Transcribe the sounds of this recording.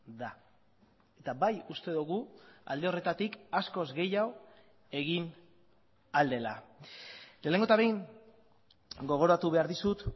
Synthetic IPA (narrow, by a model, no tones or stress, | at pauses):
d̪a | e̞t̪abajust̪e̞ðuɣua̰ld̪e̞o̞re̞t̪at̪ikasko̞zɣe̞jaw | e̞ɣin | ald̪e̞la | le̞ːle̞ŋɡot̪aβe̞iŋ | ɡo̞ɣ̞o̞ɾat̪uβe̞aɾðisut̪